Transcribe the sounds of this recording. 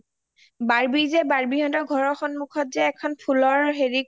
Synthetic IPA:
baɹbizɛbaɹbiɦɔntɔɡʱɔɹɔxɔnmukʰɔt̚zɛːkʰɔnpʰulɔɹɦeɹi

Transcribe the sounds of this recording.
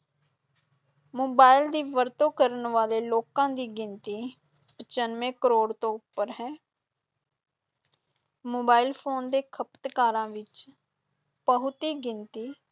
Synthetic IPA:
moːbaːɪld̪iːʋəɾt̪õːkəɾənʋaːleːloːkãːd̪iːɡɪnt̪iː | pət͡ʃənmẽːkəɾoːɽt̪õːʊpːəɾɦɛː | moːbaːɪlpʰoːnd̪eːkʰəpt̪kaːɾãːʋɪt͡ʃ | pəɦʊt̪iːɡɪnt̪iː

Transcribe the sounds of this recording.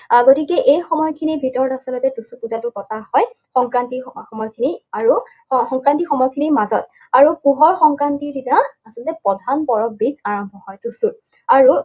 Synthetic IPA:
ɡotikɛʔejxɔmɔjkʰinibʱitɔɹtasɔlɔtɛtusupuzatʊkɔtahɔjxɔŋkɹantixɔmɔjkʰiniaɹu | xɔŋkɹantixɔmɔjkʰinimazɔt̚ | aɹupuɦɔɹxɔŋkɹantiditaasɔltɛpɔdʱanpɔɹɔbid̚aɹɔmbʱɔhɔjtusuɹ | aɹu

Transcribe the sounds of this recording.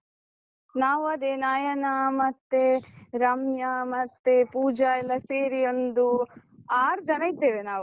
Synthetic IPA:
naːʋuɐd̪enaːjɐnɐmɐt̪ːeɾɐmjɐmɐt̪ːepuːd͡ʒɐɛlːɐseːɾijond̪u | aːɾd͡ʒɐnɐjit̪ːeːʋenaːʋu

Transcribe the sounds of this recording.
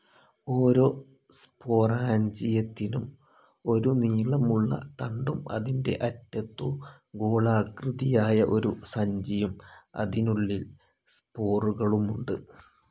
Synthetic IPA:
o̞ːɾo̞ː | spo̞ːraːɲd͡ʑijɐt̪ːinum | o̞ɾuniːɭɐmuɭːɐ̰t̪ɐɳɖumɐ̰ðinde̞̰ʔɐtːɐt̪ːo | ɡoːɭaːkrɨðijaːjɐʔo̞ɾusɐɲd͡ʑijumɐ̰ðinuɭːil | spo̞ːruɣɐɭumuɳɖɨ

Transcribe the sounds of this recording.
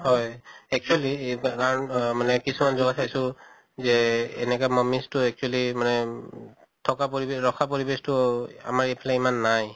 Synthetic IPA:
hɔjɛk̚t͡ʃualikaɹɔnmanɛkisumanzɔɡatʰajsʊ̃ | zɛɛnɛkamɔmistʊɛk̚t͡ʃualimanɛ | tʰɔkapoɹibɹɔkʰapoɹibestʊa̰maɹipʰalaimanːaj

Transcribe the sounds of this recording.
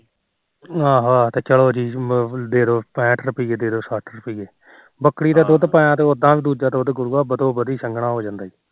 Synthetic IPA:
ãːɦaːt̪eːt͡ʃəloːd͡ʒiːd̪eːd̪oːpɛ̃ːʈʰɾəpiːɡeːd̪eːd̪oːsaʈʰɾəpiːɡeː | bəkːɽiːt̪aːd̪oːd̪pãːjãːt̪eːʊd̪ãːʋiːd̪uːd͡ʒaːt̪ːʊd̪ɡʊɾuːaːbət̪oːbəd̪iːsəŋɡɳãːɦoːd͡ʒãːnd̪aːiː

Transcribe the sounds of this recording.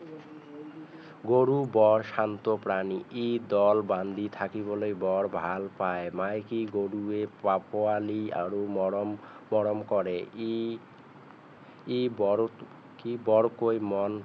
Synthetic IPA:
ɡoɾubɔɾʃant̪opɾaniʔid̪ɔlband̪it̪ʰakibolojbɔɾbʱalpaemajkiɡoɾuepapʰoalia̰ɾo | mɔɾomkɔɾe | ibɔ | kibɔɾkojmɔn

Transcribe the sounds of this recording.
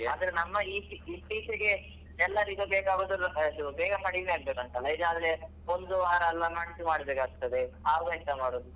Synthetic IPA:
aːd̪ɐɾenɐmːɐiːiipiːseɡe̞ | ɛlːɐɾid̪obeːkaːɡoːd̪ɐɾd̪ubɛːɡɐɦɐɽiɡneaːɡbeːkɐɳʈ̪ɐlːɐid̪aːd̪ɾe | ond̪uaːɾɐɛlːɐmaːɽisumaːɽibeːkaːɡ̚t̪ɐd̪eaːd̪ɐit̪ɐmaːɽoːd̪u

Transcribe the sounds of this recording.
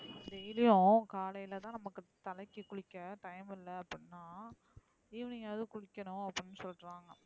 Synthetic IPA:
d̪ejlɪjʊ̃kaːlɐjɪlɐt̪ãːnɐmɐkːɯt̪ɐlɐkːɯkʊɽɪkːɐʈɐjmɪlːɐːpːɽɪnːaː | ɪʋɪnɪaːðɯkʊɽɪkːɐnʊ̃ɐpːɽɪnːɯsɔlɾaːŋɡɐ

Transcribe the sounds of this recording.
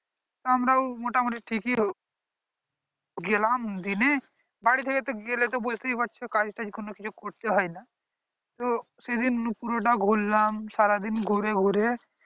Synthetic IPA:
t̪oɦɐmɾaumoːʈamoʈiʈʰiːkiɦ | ɡelamnd̪ine | baːɽit̪ʰeket̪oɡelet̪̬obod͡ʒt̪eibətːt͡ʃʰekaːd͡ʒʈad͡ʒɡʱunokid͡ʒokoʈ̚ʰt̪eɦɔjna | t̪o | sed̪ɪnpuːɾoʈaɡʱulːaːmsaːɾad̪ɪnɡʱuɾeɡʱuɾe

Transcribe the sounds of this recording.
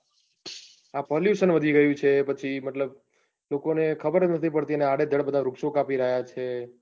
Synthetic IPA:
apɔljuʃənʋəd̪ʱiɡəjũt͡ʃʰepət͡ʃʰiməʈ̪ləb̚ | lokonekʰəbəɾnət̪ʰipəɽt̪iəneaɽed̪ʱəɽbəd̪ʱaɾukʃokapiɾəɦjat͡ʃʰe

